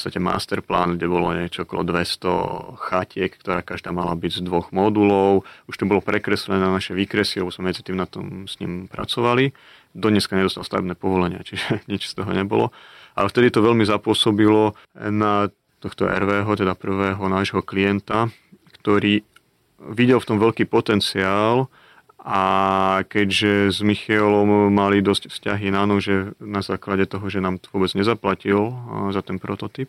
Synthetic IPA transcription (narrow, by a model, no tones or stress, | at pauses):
pɔt͡sst̪acɛma̰ːst̪ɛɾpla̰ːnɡɟɛbɔlɔɲɪɛt͡ʃɔɔkɔlɔ̰d̪ʋɛst̪ɔ̰xacɪɛkkt̪ɔɾaːkaʒd̪aːmalabiɟzd̪ʋɔɣmɔd̪ulɔʊuʃt̪ɔbɔlɔpɾɛkɾɛslɛnɛːnanaʃɛʋiːkɾɛsilɛbɔzmɛmɛd͡zi̥t̪iːmnat̪ɔ̰msɲḭːmpɾʔa̰t͡sɔʋali | d̪ɔdɲɛskaɲɛd̪ɔst̪alst̪a̰ʋɛ̰bnɛːpɔʋɔlɛɲɪa̰t͡ʃiʒɛɲit͡ʃst̪ɔɦɔɲɛbɔlɔ̰a̰lɛft̪ɛd̪it̪ɔʋɛlmizapʊɔsɔbilɔ | na | t̪ɔxt̪ɔʔɛ̰ɾʋɛːɦɔt̪ɛd̪apr̩ʋɛːɦɔnaːʒɦɔklijɛnt̪a | kt̪ɔɾiː | ʋiɟɛlft̪ɔmʋɛʎkiːpɔt̪ɛnt͡siaːl | ʔakɛɟʒɛzmixiɛlɔmːalid̪ɔscfsca̰ɦinanɔʒɛnazaːklaɟɛt̪ɔɦɔʒɛnaːmʋʊɔbɛd͡zɲɛzaplacilzat̪ɛnpɾɔt̪ɔt̪ip̚